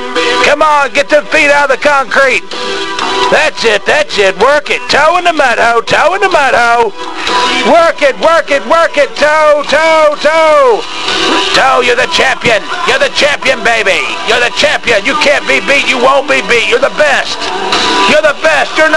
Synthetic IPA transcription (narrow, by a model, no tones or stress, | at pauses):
kʰʌ̃mə̃nɡɛtɨfiɾaʊɾðɨkʰɑ̃ŋkʰɹit̚ | ðætsɪt̪̚ðætsɪt̚wɜ˞kɨtʰoʊɨ̃nðɨmɛɾoʊtʰoʊɨ̃nəmɛɾoʊ | wɜ˞kɪt̚wɜ˞kɨt̚wɜ˞kɪtʰoʊtʰoʊtʰoʊ | tʰoʊjə˞ðɨt͡ʃʰæ̃mpiɨ̃njə˞ðɨt͡ʃʰæ̃mpiɨ̃nbeɪbijə˞ðɨt͡ʃʰæ̃mpiɨ̃njɨkʰæ̃nb̥ibit͡ʃɨwõʊ̃nb̥ibitjə˞ðəbɛst̚jə˞ðəbɛstjə˞n